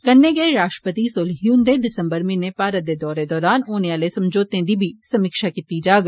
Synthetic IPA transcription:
kɐnːeːɡeɾaːʃʈɾəpət̪isoːlɦijuːnd̪ed̪ɪsə̃mbəɾmẽnepaːɾət̪d̪ed̪ɔːɾed̪ɔːɾaːnoːneaːlesɐ̃md͡ʒoːt̪ẽd̪ibʱisɐmɪːkʃakɪt̪id͡ʒaːɡ

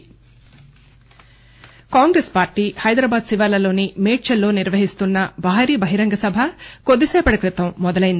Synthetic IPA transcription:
kaːŋɡɾeːspaːɾʈiːhɐjd̪ɾaːbaːd̪siʋaːlɐlo̞ːnimeːʈt͡ʃɐlːo̞ːniɾʋɐɦist̪unːɐbʱaːɾiːbʱɐɦiɾɐŋɡɐsɐbʱɐkod̪ːisɛːpɐɽɐkɾit̪ɐmːɔd̪ɐlɐjind̪

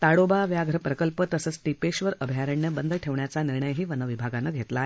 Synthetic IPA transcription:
t̪aɽobaʋjaɡʱəɾəpɾəkəlpət̪əsəːt͡sʈipeɕʋəɾəbʱjaɾəɳjəbənd̪ʱəʈʰeʋɳjat͡saniɾɳəjɦiːʋənəʋibʱaɡanəɡʱet̪lae

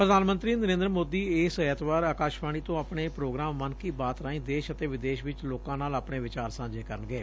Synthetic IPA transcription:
pɾəd̪ʱaːnmə̃nt̪ɾiːnəɾẽːnd̪ɾəmoːd̪iːɪsət̪ʋaːɾaːkaːʃbaːɽ̃iːt̪õːaːpɳeːpɾoːɡɾaːmːənkiːbaːt̪ɾaːĩːd̪eːʃət̪eːʋɪd̪eːʃʋɪt͡ʃloːkãːnaːlapɳeːʋɪt͡ʃaːɾsãːd͡ʒeːkəɾənɡeː

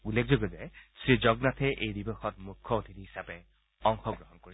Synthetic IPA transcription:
ulːek̚zoɡɔzɛsɹizɔɡnatʰɛʔejdibɔxɔtmukʰːɔotʰitiɦi̥sapɛ | ɔŋxɔɡɹɔɦɔnkoɹis

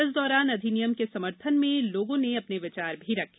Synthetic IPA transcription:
ɪsd̪ɔːɾaːnɐd̪ʱinɪjəmkesɐməɾt̪ʰənmẽloːɡõneɐpneʋɪt͡ʃaːɾbʱiɾɐkʰ

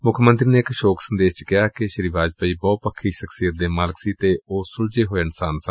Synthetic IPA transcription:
mʊkʰmə̃nt̪ɾiːneːɪkʃoːksənd̪eːʃt͡ʃkɪɦaːkɪʃəɾiːʋaːd͡ʒpəiːbɔːt̪̚pəkʰːiːʃəksiːət̪̚d̪eːmaːlksiːt̪eːoːsʊld͡ʒeːɦoːeːɪnsaːnsə̃

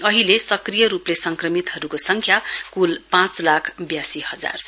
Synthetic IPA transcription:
ʌɦilesʌkrijʌɾuplesʌŋkrʌmit̪ɦʌɾukosʌŋkʰjakulpãt͡slakʰbjasihʌd͡za̰r

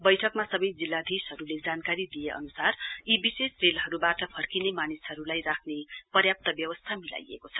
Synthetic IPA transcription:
bʌjʈʰʌkmasʌbʌjd͡zilːad̪ʱisɦʌɾuled͡zankaɾid̪ijeʔʌ̰nusaribisesrelɦʌɾubaʈʌpʰʌrkinemanisɦʌɾulajrakʰnepʌrjap̚t̪ʌbjʌwʌst̪ʰamila̰jḛkot͡sʰʌ̥

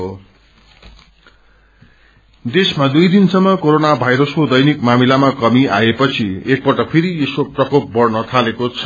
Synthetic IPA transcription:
d̪esmad̪ujd̪insʌmːʌkoɾonabʱajɾʌskod̪ʌjnikmamilamakʌmiʔaepʌt͡sʰiek̚pʌʈʌpʰeɾiesoprʌkop̚bʌrnʌt̪ʰalekot͡sʰʌ

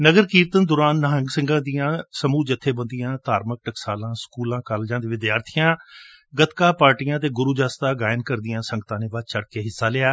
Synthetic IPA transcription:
nəɡəɾkiːɾt̪ənd̪ʊɾaːnːəɦəŋɡsɪ̃ŋɡãːd̪ijãːsəmuːd͡ʒət̪ʰːeːbənd̪ɪjãːt̪aːɾmək̚ʈəksaːlãːskuːlãːkəɾld͡ʒãːd̪eːʋɪd̪jaːɾt̪ʰijãː | ɡət̪kaːpaːɾʈijãːt̪̬eːɡʊɾuːd͡ʒaːst̪aːɡaːjnkəɾd̪ɪjãːsə̃ŋɡət̪ãːnẽːʋət͡ʃəɽkeːɦɪsːaːlɪːaː

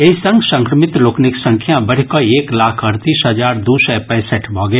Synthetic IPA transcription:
eisə̃ŋɡsə̃ŋkɾəmɪt̪loːknɪksɐ̃ŋkʰjãbɐɽ̤ikoeːklaːkʰɐɾt̪iːsɦɐd͡ʒaːɾd̪uːsɛpɛ̃ːsəʈbʱɔːɡe

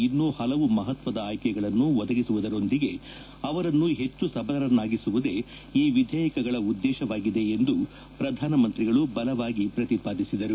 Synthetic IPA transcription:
inːoːhɐlɐʋumɐɦɐt̪ʋɐd̪ɐaːjkɛɡɐɭɐnːuʋɔd̪ɐɡisuʋud̪ɐɾo̞nd̪iɡe̞ | ɐʋɐɾɐnːuɦe̞t͡ʃːusɐbʱɐɐɾɐnːaːɡisuʋud̪e̞ | iːʋid̪ʱjɐjɐkɐɡɐɭɐud̪ːɛːʃɐʋaːɡid̪e̞ːnd̪u | pɾɐd̪ʱaːnɐmɐnt̪ɾiɡɐɭubɐlɐʋaːɡipɾɐt̪ipaːd̪isid̪ɐɾu

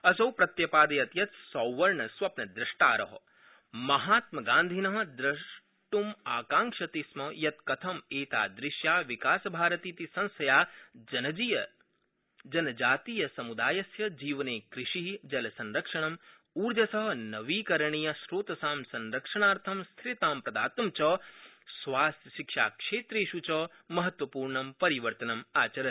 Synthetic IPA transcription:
ɐsɐwpɾɐt̪jɐpaːd̪ɐjɐt̪jɐt̪sɐwʋɐɾɳɐsʋɐpnɐd̪ɾɪʂʈa̰ːɾɐ̰ɦɐ̰̆ | mɐɦaːt̪mɐɡaːnd̪ʱinɐɦɐ̆d̪ɾɐʃ | ʈumaːkãːŋʂɐt̪ismɐjɐt̪̚kɐt̪ʰɐmeːt̪a̰ːd̪ɾɪʃjaːʋikaːsɐbʱaːɾɐt̪iːt̪isɐ̃nsɐjaːd͡ʒɐnɐd͡ʒijɐ | d͡ʒɐnɐd͡ʒaːt̪iːjɐsɐmud̪aːjɐsjɐd͡ʒiːʋɐneːkɾɪʂiɦid͡ʒɐlɐsɐ̃nɾɐkʂɐɳɐm | uːɾd͡ʒɐsɐɦɐ̆nɐʋiːkɐɾɐɳiːjɐʃɾoːt̪ɐsaːmsɐnɾɐkʂɐɳaːɾt̪ʰɐmst̪ʰɾit̪aːmpɾɐd̪a̰ːt̪ɐmt͡ʃɐ | sʋaːst̪jɐʃikʂa̰ːkʂeːt̪ɾeːʃut͡ʃɐː | mɐɦɐt̪ʋɐpuːɾɳɐmpɐɾiʋɐɾt̪ɐnɐmaːt͡ʃɐɾɐ

